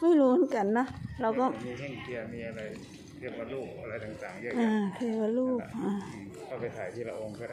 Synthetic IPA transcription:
ma˥˩jɾuː˦˥mɤ˦nka˧nːa˦˥ɾa˧wkɔː˥˩˧ŋi˧əmiː˧ʔa˧ɾa˧jʰ | i˥˩waː˧luː˥˩p̚a˧ɾa˧jt̪a˨˩ŋt̪aː˨˩ŋi˥˩ʔaː˧˩k̪ʰɯ˧˩waː˧˩luː˥˩p̚ʔaː˧˩˥ | pa˧jt̪ʰaː˩˦t̪ʰiː˥˩la˧˩ʔo˧ŋkʰɔ˥˩

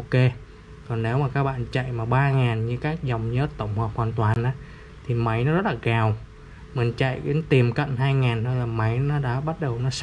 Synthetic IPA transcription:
o˧ke˧ | kɔ˨˩nːne˨˦wmaː˨˩kaː˦˥k̚ɓa̰ː˧˨nt͡ɕa̰˧˨jmaː˨˩ɓaː˧ŋaː˨˩nɲɨ˧kaː˦˥k̚za˨˩wŋ͡mɲə˨˦˥t̚t̪ə˧˩wŋ͡mhɔː˨˩p̚hwaː˨˩nt̪waː˨˩nʔaː˨˦ | t̪ʰi˨˩ma˨˦jnɔ˨˦zɔ˦˥t̚laː˨˩ɣaː˨˩w | mï̟˨˩t͡ɕa̰˧˨jke˨˦nt̪i˨˩mkə̰˧˨nɦaː˧jŋaː˨˩nt̪ʰo˧jlaː˨˩ma˨˦jnɔ˨˦ɗa̰ː˧˥ɓa˦˥t̚ɗə˨˩wnɔ˨˦s

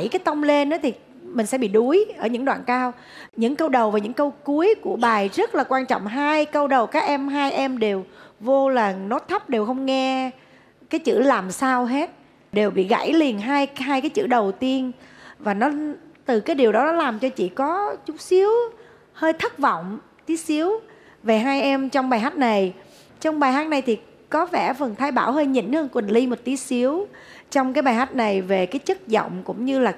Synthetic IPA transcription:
jkaː˨˦jt̪ə˧wŋ͡mle˧nʔa˨˦t̪ʰi˨˩ | mï˨˩ŋ̟sɛ̰˧˥ɓḭ˧˨ɗu˨˦əjʔəː˧˩ɲɨ̰˧˥ŋɗwa̰ː˧˨nkaː˧w | ɲɨ̰˧˥ŋkə˧wɗə˨˩wvaː˨˩ɲɨ̰˧˥ŋkə˧wku˨˦əjku˧˩əɓaː˨˩jzə˦˥t̚laː˨˩kwaː˧nt͡ɕɔ̰˧˨ŋ͡mɦaː˧jkə˧wɗə˨˩wkaː˦˥k̚ʔɛ˧mɦaː˧jʔɛ˧mɗe˨˩wvo˧ləː˨˩ŋnɔ˨˦t̪ʰə˦˥p̚ɗe˨˩wxə˧wŋ͡mŋɛ˧ | kaː˨˦jt͡ɕɨ̰˧˩laː˨˩msaː˧wɦe˦˥t̚ | ɗe˨˩wɓḭ˧˨ɣa̰˧˩jli˨˩ənɦaː˧jɦaː˧jkaː˨˦jt͡ɕɨ̰˧˩ɗə˨˩wt̪i˧ənvaː˨˩nɔ˨˦t̪ɨ˨˩kaː˨˦jɗi˨˩əwɗɔ˨˦nɔ˨˦laː˨˩mt͡ɕɔ˧t͡ɕḭ˧˨kɔ˨˦t͡ɕʊ˦˥k͡p̚si˨˦əw | həː˧jt̪ʰə˦˥t̚vɔ̰˧˨wŋ͡m | t̪i˨˦si˨˦əw | ve˨˩ɦaː˧jʔɛ˧mt͡ɕɔ˧wŋ͡mɓaː˨˩jɦa˦˥jk̟̚na˨˩j | t͡ɕɔ˧wŋ͡mɓaː˨˩jɦaː˦˥t̚na˨˩jt̪ʰi˨˩ | kɔ˨˦vɛ˧˩fə˨˩nt̪ʰaː˧jɓaː˧˩wɦəː˧jɲḭ˧˥˩nhəː˧nkwi˨˩nli˧mo˨˩t̚t̪i˨˦si˨˦əwt͡ɕɔ˧wŋ͡mkaː˨˦jɓaː˨˩jɦa˦˥jt̟̚na˨˩jve˨˩kaː˨˦jt͡ɕə˦˥t̚zə̰˧˨wŋ͡mkʊ̰˧˥ŋ͡mɲɨ˧laː˨˩

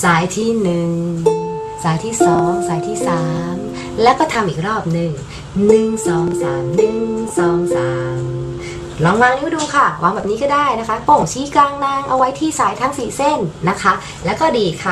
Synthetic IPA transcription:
saː˨˦jt̪ʰiː˥˩nɯ˨˩ŋ | saː˩˦jt̪ʰiː˥˩sɔː˩˦ŋsaː˨˦jt̪ʰiː˥˩saː˩˦m | lɛː˦˥wkɔː˥˩t̪ʰa˧mʔiː˨˩k̚ɾɔː˥˩p̚nɯ˨˩ŋ | nɯ˨˩ŋsɔː˨˩˦ŋsaː˩˦mnɯ˨ŋsɔː˨˩˦ŋsaː˩˦mm | lɔː˧ŋwaː˧ŋni˦˥wduː˧kʰa˥˩wa̰ː˧ŋbɛː˨˩p̚niː˦˥kɔː˥˩daː˥˩jna˦˥kʰa˦˥po˨˩ŋt͡ɕʰiː˦˥klaː˧ŋna˧ŋʔa˧wa˦˥jt̪ʰiː˥˩saː˩˦jt̪ʰa˦˥ŋsiː˨˦se˥˩nːa˦˥kʰa˦˥ | lɛː˦˥wkɔː˥˩diː˨˧kʰa˥˩

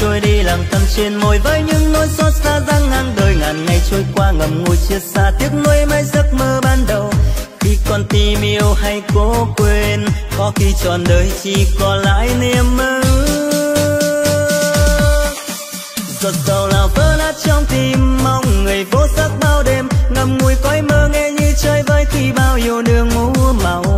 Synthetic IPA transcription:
t͡ɕo˧jɗi˧laː˨˩mt̪ʰə˧˩mt͡ɕe˧nmo˨˩jvə˧˥jɲɨ̰˧˥ŋno˧jsɔ˦˥t̚saː˧zaː˧ŋŋa˧ŋɗəː˨˩jŋaː˨˩nŋa˨˩jt͡ɕo˧jkwaː˧ŋə˨˩mŋo˨˧˩jt͡ɕi˧ət̚saː˧t̪i˦˥ək̚no˧jma˧˦jzə˦˥t̚məː˧ɓaː˧nɗə˨˩wxi˧kɔ˧˩nt̪i˧mi˧əwɦa˧jko˨˦kwe˧nkɔ˧˦xi˧t͡ɕɔ˨˩nɗəː˨˩jt͡ɕi˧kɔ˧˩nla̰ː˧˥jni˧əmʔəː˧ | zo˨˩t̚zə˨˩wlaː˨˩wvəː˨˦naː˦˥t̚t͡ɕɔ˧wŋ͡mt̪i˧˩mːa˧wŋ͡mŋɨ˨˩əjvo˨˦sə˦˥t̚ɓaː˧wɗe˨˩mŋə˨˩m̚ŋu˨˩əjkɔ˨˦jməː˧ŋɛ˧ɲɨ˧t͡ɕəː˧jvəː˨˦jxi˧ɓaː˧wɲo˨˧˩nɨ˧əŋmu˧˦ma˨˩w

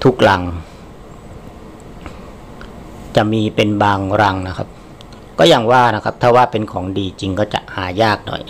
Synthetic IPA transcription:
t̪ʰu˦˥k̚la˩˦ŋ | t͡ɕa˨˩ʔmiː˧pe˧nbaː˧ŋɾa˧ŋna˦˥kʰa˦˥p̚ | kɔː˥˩ja˧ŋwaː˥˩na˦˥kʰa˦˥p̚t̪ʰaː˥˩waː˥˩pe˧nkʰɔː˩˦ŋdiː˧t͡ɕi˧ŋkɔː˥˩t͡ɕa̰˨˩ʔhaː˩˦jaː˥˩k̚nɔ̰˨˩j

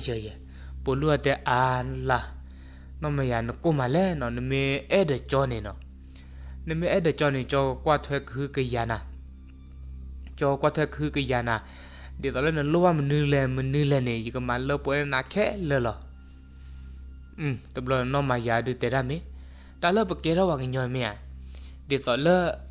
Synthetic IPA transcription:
jə˨jɛ˨ | po˨lu˦a˨tɛ˨ʔa˨n˧˨la˧˨ | nɔ̃˦ma˨ja˨nə˨ko˦˨ma˨lɛ˦nɔ̃˨nə˨me˧ɛ˦də˨t͡ʃɔ˦ne˨nɔ̰˨ | nə˨me˦ʔɛ˦də˨t͡ʃɔ˧˦ne˨t͡ʃɔ˧kwa˦˨tʰwɛ˦kɨ˦kə˧˨ja˨na˨ | t͡ʃɔ˧˦˧kwa˦tʰwɛ˦kɨ˦kə˧ja˨na˨ | de˨t̪ɔ˨lə˦nə˨lo˦wa˦mə˨nɨ˧lɛ˨mə˨nɨ˦lɛ˧˨ne˨ji˨kə˨ma˨lə˦pɔ˧˨˦na˨kʰɛ˦lə˧˨lɔ˧˨ | t̪ə˨blɔ˨nɔ̃˧˦ma˨ja˨dɨ˧˨t̪ɛ˨da˦˨me˦ | d̥a˨lə˦p̬ə˨kɛ˨˦ɾa˦wa˨kə˨ɲɔ̃˨me˧˨a̰˨ | de˨t̪ɔ˨lə˦

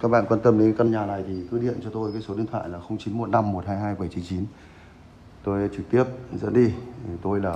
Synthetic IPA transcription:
kaː˦˥k̚ɓa̰ː˧˨kwaː˧nt̪ə˧mɗe˨˦nka˧nɲaː˨˩na˨˩jt̪ʰi˨˩kɨ˨˦ɗḭ˧˨ənt͡ɕɔ˧t̪o˧jkaː˨˦jso˨˦ɗi˧əŋt̪ʰwa̰ː˧˨jlaː˨˩xə˧wŋ͡mt͡ɕi˨˦nmo˨˩t̚na˧mːo˨˩t̚haː˧jɦaː˧jɓə˧˩jt͡ɕi˨˦nt͡ɕi˨˦n | t̪o˧jt͡ɕɨ˨˩k̚t̪i˦˥əp̚zə̰˧˥nɗi˧˨t̪o˧jlaː˨˩

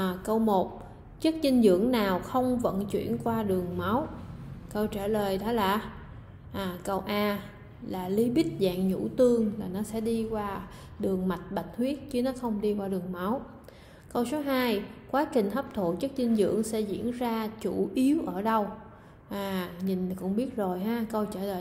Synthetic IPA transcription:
kə˧wmo˨˩t̚ | t͡ɕə˦˥k̚ɲï˧ŋ̟zɨ̰˧˨əŋnaː˨˩wxə˧wŋ͡mvə̰˧˨nt͡ɕwḭ˧˩˨ənkwaː˧ɗɨ˨˩əŋma˨˦wkə˧wt͡ɕaː˧˩ləː˨˩jɗɔ˨˦laː˨˩ | ʔaː˨˩kə˧wʔaː˧ | laː˨˩li˨˦ɓï˦˥t̚za̰ː˧˨ŋɲṵ˧˥t̪ɨ˧əŋlaː˨˩nɔ˨˦sɛ̰˧˥ɗi˧kwaː˧ | ɗɨ˨˩əŋma˨˩t̟̚ɓa˨˩jt̟̚h̪ʰwi˦˥ət̚t͡ɕɨ˨˦nɔ˨˦xə˧wŋ͡mɗi˧kwaː˧ɗɨ˨˩əŋma˨˦w | kə˧wso˨˦ɦaː˧jkwaː˨˦t͡ɕï˨˩ŋ̟ɦə˦˥p̚t̪ʰu˧˨˩k̚t͡ɕə˦˥k̚zï˧ŋzɨ̰˧˨əŋsɛ̰˧˥zḭ˧˥ənzaː˧t͡ɕu˧˩ʔi˨˦əwʔəː˧˩ɗə˧w | ʔaː˨˩ɲi˨˩ŋ̟kʊ̰˧˥ŋ͡mɓi˦˥ət̚zo˨˩jɦaː˨˧˦kə˧wt͡ɕəː˧˩ləː˨˩

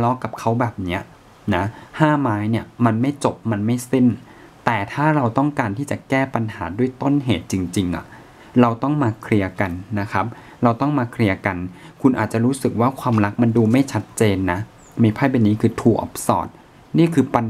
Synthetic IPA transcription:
lɔ˦˥ka˨˩p̚kʰa˦˥wbɛː˨˩p̚ni˦˥ɐ | na˦˥haː˥˩maː˦˥jni˥˩ɐma˧nma˥˩jt͡ɕo˨˩p̚ma˧nma˥˩jsi˥˩n | t̪ɛː˨˩t̪ʰaː˥˩ɾa˧wt̪ɔ˥˩ŋkaː˧nt̪ʰiː˥˩t͡ɕa˨˩kɛː˥˩pa˧nha̰ː˩˦du˥˩əjt̪o˥˩nɦeː˨˩t̪̚t͡ɕi˧ŋt͡ɕi˧ŋʔa̰˨˩ | ɾa˧wt̪ɔ˥˩ŋmaː˧kʰɾi˧ɐka˧nːa˦˥kʰa˦˥p̚ | ɾa˧wt̪ɔ˥˩ŋmaː˧kʰɾi˧ɐka˧nkʰu˧nʔa̰ː˨˩t̪̚t͡ɕa˨˩ɾuː˦˥sɯ˨˩k̚waː˥˩kʰwaː˧mɾa˦˥k̚ma˧nduː˧ma˥˩jt͡ɕʰa˦˥t̪̚t͡ɕeː˧nːa˦˥ | miː˧˩pʰaː˥˩ba˧˩niː˦˥kʰɯː˧t̪ʰuː˨˧˩ʔɔ̰˨˦˩p̚sɔ̰ː˨˩t̪̚ | niː˥˩kʰɯː˧pa˧n

